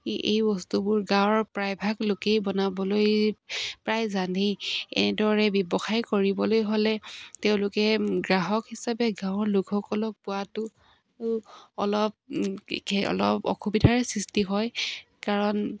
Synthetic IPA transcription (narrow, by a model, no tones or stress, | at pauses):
ḛjbɔstubʊɹɡãw̃ɹpɹajbʱaklokejbɔnabɔloj | pɹajzanʱejɛ̰nɛdɔɹɛbjɔbɔxajkoɹibɔlojɦolɛteʊ̃lʊkɛɡɹaɦɔkhisapɛɡãʊ̃ɔɹluɡʰɔkɔlɔk̚pʊatʊ | aɹuɔlɔp̚ | ɔ̰lɔpɔ̰xubidʱaɹɛsɹistiɦɔjkaɹɔn